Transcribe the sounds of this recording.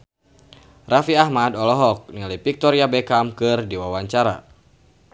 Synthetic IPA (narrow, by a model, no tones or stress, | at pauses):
rafiahmadɔlɔɦɔk̚nilipik̚t̪ɔɾiabɛkamkɨrdiwawaɲt͡ʃaɾa̰